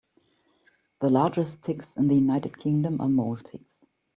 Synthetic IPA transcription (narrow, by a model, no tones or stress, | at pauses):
ðəlɑɹd͡ʒɨstʰɪksɪ̃nðəjunaɪtɨd̚kʰɪ̃ŋdə̃mʔə̰moʊlˠtʰɪks